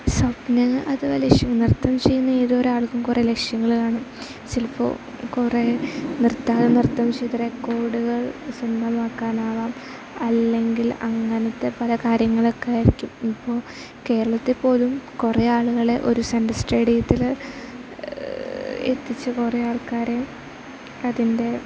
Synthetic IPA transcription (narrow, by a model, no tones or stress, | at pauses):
sɐpnɐʔɐðɨʋɐlekʂjɐŋːnirt̪ːɐmt͡ɕe̞jːunːɐiðoːɾaːɭuɣumkurele̞kʂjɐŋːɐɭkaːɳɐ | silfo̰ | kurenirt̪ːaːðɨnirt̪ːɐmt͡ɕejːt̪ːɐrekːo̞ːɽuɣɐɭsund̪ʱɐmaːkːaːnaːʋaːm | ɐlːe̞ŋɡilɐ̰ŋːɐnɐt̪ːe̞pɐlɐkaːɾjɐŋːɐɭo̞kːeaːjiɾikʲːumipːo̞ːɭ | ke̞ːɾɐɭɐt̪ːepːo̞ːðumkureaːɭuɣɐɭe̞ʔo̞̰ɾusɐndɐsʈeːɽijɐt̪ːil | ḛt̪ːit͡ɕːɨkureaːɭkaːɾe̞ | ɐðinde̞